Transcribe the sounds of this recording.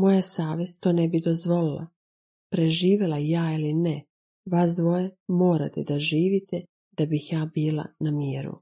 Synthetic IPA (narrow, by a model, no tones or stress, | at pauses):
mo̞jasaːʋe̞z̥t̪oːnebid̪ozʋo̞lilˠa̰ | pɾeʒiːʋelajaːiline | ʋasd̪ʋo̞jemo̞ːɾa̰t̪ed̪aʒiːʋit̪e | d̪̥abixjaːbiːlˠa̰namjiːɾṵ